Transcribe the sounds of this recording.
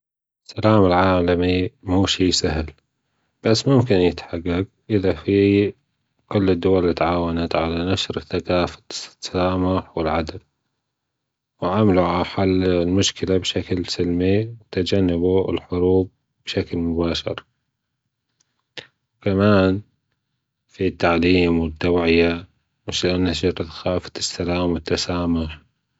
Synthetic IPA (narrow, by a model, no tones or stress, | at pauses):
salaːmɪlʕaːlamimuːʃiːsahl | b̥asːmʊmkɪnjɪt̪ħaɡːaɡ | ʔɪðafi | kʊlːɪd̪ːʊwalːit̪ʕaːwanat̪ʕalanaʃɾɪθːaqaːfḁsaːmaħwɪlʕad̪al | wʕamaluʕalaħalːlmʊʃkɪlabʃaklsɪlmiwɪt̪ad͡ʒanːabuɪ̰lħʊɾuːb̚ | b̥ʃaklmʊbaːʃɪ̰ɾ | wkamaːn | fit̪ːaʕliːmwɪd̪ːawʕɪja | mɪʃlɪʔanːhaɑɾˤt̪xaːfḁt̪ɪsːalaːmwɪt̪ːasaːmʊħ